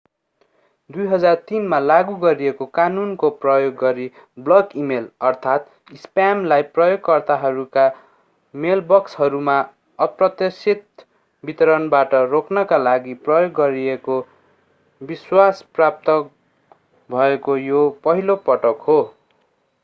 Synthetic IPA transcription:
d̪ujɦʌd͡zart̪inmalaɡuɡʌɾiekokanunkoprʌjoɡːʌɾi | blʌkimelʌrt̪ʰat̪ | ispamlajprʌjoɡ̚kʌrt̪aɦʌɾuka | melbʌkshʌɾuma | ʌprʌt̪esit̪̚ | bit̪ʌɾʌnbaʈʌrokʰnʌkalaɡiprʌjoɡːʌɾieko | biswasprap̚t̪ʌ | bʱʌekojopʌɦilopʌʈʌkɦo

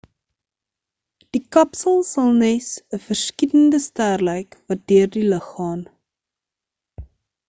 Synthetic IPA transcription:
d̥ikɐpsəlˠsɐlˠnɛsəfərskitəndəstærləjkvɐt̚døərdiləχːɑːn

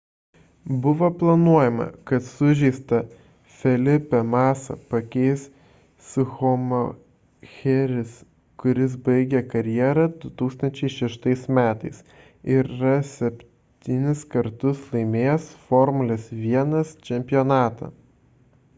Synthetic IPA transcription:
bʊʋoːplˠɐnuɔjɛmɐ̰kɐt̪sʊʒʲɛɪst̪ɐ | fʲɛlʲɪpʲɛmɑːsɐ̰pɐkʲɛɪs | sʊxɔmo | xʲɛɾʲɪs | kʊɾʲɪs̬bɐɪɡʲɛkɐɾʲjiɛɾɐd̪ʊt̪uːkst̪ɐnʲt͡ʃʲɛɪʃʲɛʃt̪ɐɪsmʲæːt̪ɐɪs | ɪɾɪɾɐsʲɛpʲ | t̪ʲinʲɪskɐɾt̪ʊslˠɐɪmʲeːjɛsfɔɾmʊlʲɛsʋʲiɛnɐst͡ʃʲɛmʲpʲɪjɔnɑːt̪ɐ̰

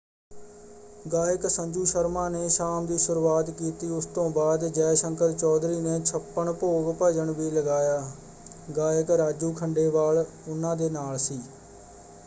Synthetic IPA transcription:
ɡaːjəksəɲd͡ʒuːʃəɾmãːneːʃaːmd̪iːsʊɾuːaːt̪kiːt̪iːʊst̪õːbaːd̪d͡ʒɛːsəŋkəɾt͡ʃɔːd̪ɾiːneːt͡ʃʰəpːəɳpoːɡpəd͡ʒəɳʋiːləɡaːjaː | ɡaːəkɾaːd͡ʒuːkʰəɳɖeːʋaːl | ʊnːãːd̪eːnaːlsiː

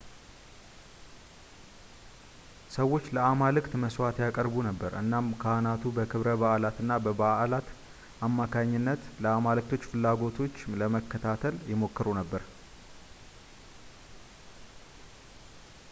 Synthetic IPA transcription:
səwːo̞t͡ʃːləamalɨkt̪məswat̪jakʼəɾbunəbːəɾʔɨnːamkʰanat̪ʰubəkʰɨβɾəβaʔlat̪ɨnːabəbaʔlat̪ | ʔamːakʰaɲːɪnːət̪ləamalɨk̚t̪ʰo̞t͡ʃːfɨlːaɡo̞t̪ʰo̞t͡ʃːləməkːət̪ʰat̪ʰəljɪmo̞kːɨɾunəbːəɾ

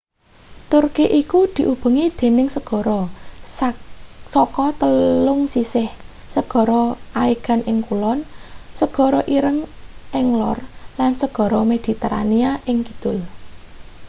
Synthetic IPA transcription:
t̪ʊrkeʔikud̪̥i̤ʔub̥ə̤ŋid̪̥e̤nɪŋsəɡ̥ɔ̤ɾɔ | sɔkɔt̪əlʊŋsisɪh | səɡ̥ɔ̤ɾɔʔaiɡ̥a̤nʔɪŋkulɔnsəɡ̥ɔ̤ɾɔʔiɾəŋʔɛŋlɔrlansəɡ̥ɔ̤ɾɔmed̪̥i̤t̪əɾa̰niaʔɪŋkid̪̥ʊl

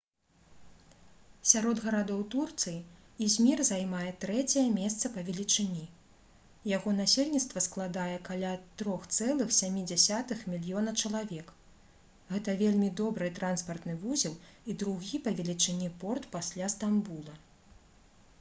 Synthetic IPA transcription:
sʲaɾɔd̪ɣɐɾad̪ɔwt̪urt̪sɨji | izʲmʲirzajmajɛt̪ɾɛt͡sʲɛjɛmʲɛst̪sɐpɐvʲɛlʲit͡ʂɨnʲi | jaɣɔnasʲelʲnʲit̪st̪vɐsklˠad̪ajɛkalʲat̪ɾɔxt̪sɛlˠɨxsʲamʲid͡zʲasʲat̪ɨxmʲilʲjɔnɐt͡ʂɐlˠavʲɛk | ɣɛt̪ɐvʲelʲmʲid̪ɔbɾɨt̪ɾanspɐrt̪nɨvuzʲiwid̪ɾuɣʲipɐvʲɛlʲit͡ʂɨnʲipɔrt̪pasʲlʲast̪ambulˠɐ

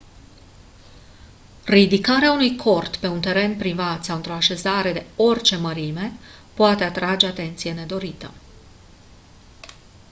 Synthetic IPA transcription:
rid̪ikaɾeaunujkʰo̞rt̪pe̞unt̪e̞ɾe̞npɾivat̪saɨnt̪ɾo̞aʃe̞zaɾe̞d̪e̞o̞rʲt͡ʃe̞məɾime̞poat̪e̞at̪ɾad͡ʒe̞at̪e̞nt̪sije̞ne̞d̪o̞ɾit̪ə̰

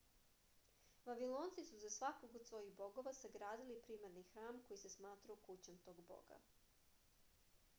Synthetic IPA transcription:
ʋaʋilˠo̞ːnt̪sisuzasʋakoɡod̪sʋo̞iɣbo̞ɡo̞ʋasaɡɾaːd̪ilipɾiːmaɾnixɾaːmko̞jisesmaːt̪ɾajukut͡ɕamt̪o̞ːɡbo̰ɡa̰

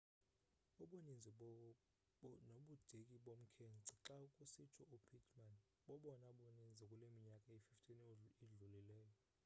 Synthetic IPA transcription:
uɓonind͡zʱi | noɓud̥ʱekʼiɓom̩kʰent͡si̥ǁaukʼusit͡ʃʰɔʔupʰitʰman | ɓɔɓɔnaɓonind͡zʱikʼulemiɲakʼaififtʼiniɮulilɛːjɔ

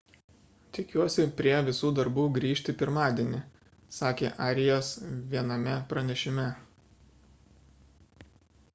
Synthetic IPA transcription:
t̪ʲɪkʲuɔsʲɪpʲɾʲiɛʋʲɪsuːd̪ɐɾbuːɡɾʲiːʃʲt̪ʲɪpʲɪɾmɑːd̪ʲiɛnʲɪ | sɑːkʲḛːʔɑːɾʲɪjoːsʋʲiɛnɐmʲɛpɾɐnʲɛʃʲɪmʲɛ

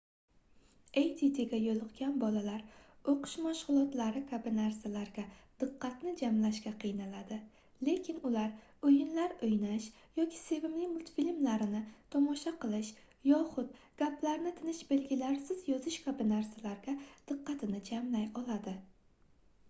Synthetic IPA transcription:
ejt̪ʰit̪ʰeɡʲajolˠɨqɡʲanbɒlalaɾoqʰʊ̥ʃmaʃʁʊlˠɒt̪laɾɪkʲʰabɪnaɾsalaɾɡʲad̪̥ɨqʰːɑt̪nɪd͡ʒamlaʃɡʲaqʰɨjnalad̪ɪ | le̞kʲʰɪnʊlaɾ | ojɪnlaɾojnaʃ | jɒkʲʰi̥se̞vɪmlɪmʊlt̪filmlaɾɪnɪt̪ʰɒmɒʃaqɨlˠɪʃ | jɒχʊd̪̚ | ɡ̥ʲaplaɾnɪt̪ʰɪnɪʃbe̞lɡʲɪlaɾsɪz̥jɒzɪʃkʲʰabɪnaɾsalaɾɡʲad̪̥ɨqːɑt̪ʰɪnɪd͡ʒamlajɒlˠad̪ɪ

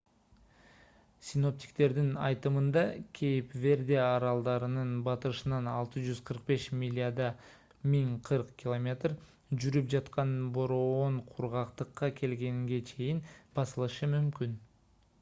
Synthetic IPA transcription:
sʲino̞p̚t̪ʲi̥kt̪e̞ɾd̪inɑjt̪ɯmɯnd̪ɑkʲʰe̞jipve̞ɾd̪e̞ɑɾɑlˠd̪ɑɾɯnɯnbɑt̪ɯɾɯʃɯnɑnɑlˠt̪ɯʒyzqʰəɾq̚be̞ʃmʲilʲɪad̪ɑ | mʲiŋqʰɯɾqkʲɪlˠomʲe̞t̪r | d͡ʒyɾyp̚d͡ʒɑt̪qɑnboɾooɴqʰuɾʁɑqt̪ɯqːɑkʲʰe̞lɡe̞ŋɡe̞t͡ʃʰe̞jinbɑsɯlˠɯʃɯmymkʲyn

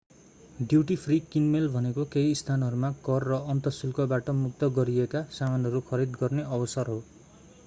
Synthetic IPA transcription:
ɖjuʈipʰrikinmelbʱʌnekokeiːst̪ʰanɦʌɾumakʌrːʌʌnt̪ʌsulkʌbaʈʌmuk̚t̪ʌɡʌɾiekasamanɦʌɾukʰʌɾid̪ɡʌrneʌbʌsʌrɦo

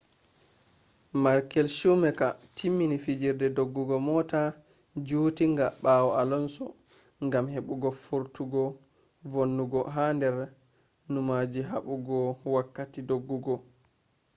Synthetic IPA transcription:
maɾkɛlʃumɛkatʰimːinifid͡ʒiɾdɛdoɡːuɡɔmɔta | d͡ʒuːtiŋɡaɓawɔalɔnsɔ̰ | ŋɡamheɓuɡɔfuɾtuɡɔ | vonːuɡɔɦandɛɾ | numad͡ʒiɦaɓuɡɔwakːatidoɡːuɡɔ

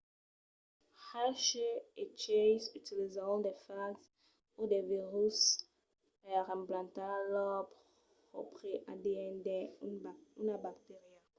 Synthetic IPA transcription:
haʃɛet͡ʃejsyt̪ilizɔ̃d̪ɛfakz | ud̪ɛviʁys | pɛʁɛ̃mplɑ̃t̪alɔp | ʁopχeʔad̪eɛ̃d̪ɛ | ynabakt̪eʁja

